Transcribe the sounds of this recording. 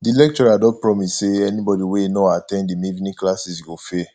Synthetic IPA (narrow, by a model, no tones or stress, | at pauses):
dilɛk̚t͡ʃɔɹadɔ̃pɹɔmisseɛnibɔdiwenoatɛ̃ndimivinĩklasisɡofe